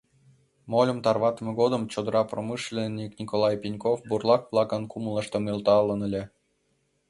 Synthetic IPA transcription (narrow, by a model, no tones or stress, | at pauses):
molʲə̆mt̪ɑrβɑt̪əmɤ̆ɡod̪ə̆mt͡ɕod̪ɤ̆ɾɑpromɨʃlʲenʲiknʲikolˠɑjpʲinʲkofburlˠɑkplˠɑkə̆nkumlˠə̆ʃt̪ə̆milˠt̪ɑlˠə̆nə̆lʲĕ